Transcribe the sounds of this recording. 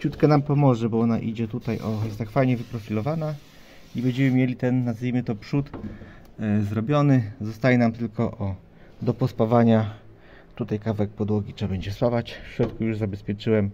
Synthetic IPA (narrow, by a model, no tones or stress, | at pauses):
t͡ɕut̪kɛnampɔmɔʐɛbɔɔna̰ʔḭd͡ʑɛt̪ut̪ajʔɔjɛst̪akfajɲɛvɘpɾɔfʲilɔvana | ibɛɲd͡ʑɛmɘmʲjɛlʲit̪ɛnːazvʲimɘt̪ɔpʂut̪ | zɾɔbʲjɔnɘzɔst̪ajɛnamt̪ɘlkɔʔɔ | d̪ɔpɔspavaɲa | t̪ut̪ajkavɛk̚pɔd̪wɔɡʲit͡ʂɛbɛɲd͡ʑɛswavat͡ɕfɕɾɔt̪kujuʐzabɛspʲjɛt͡ʂɘwɛm